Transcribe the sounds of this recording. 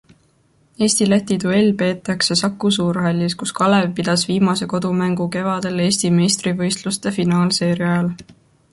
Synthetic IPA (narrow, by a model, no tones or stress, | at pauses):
e̞ːsʲt̪ilæt̪ːit̪ue̞lʲːpe̞ːt̪ːˑɑkse̞sɑkːˑusuːrɦɑlʲːiskuskɑlevpid̪̥ɑsviːmɑse̞ko̞d̪̥umæŋɡ̥uke̞vɑd̪̥e̞le̞ːsʲt̪ime̞jst̪rivɤ̞jst̪lust̪e̞finɑːlse̞ːɾiɑɑl